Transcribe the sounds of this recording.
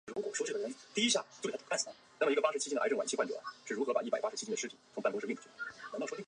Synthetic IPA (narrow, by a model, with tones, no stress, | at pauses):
o˥˧˩ɻkwɔ̰˨˩ʂʊt͡ɕə˨˩ə˧˥t̪i˥i˧˥ɕ̬ja˥˧˩t͡ɕo˥˩k̪ːʰa˥˩sʰa˥˩ | n˥˩mə˩˧˥ɡə˧pa˥ʂ̩˧˩t͡ɕi˥ndə̰˧˥ŋwa˨˩nt͡ɕi˥xwa˥˩t͡ɕɔ̰˨˩ʂɻ̩˥˩ɻu˧˥xɤ˧˥pa˨˩i˥˩pa˨˩ɪpa˥ʂ̩ʰ˧˥i˥ə˩ʂ̩ɻ̩˥tʰḭ˨˩t͡sʰʊ˧˥ŋpa˥˧nkʂ̩˥˧˥ʈ͡ʂt͡ɕy˥˩˨t̪ʰ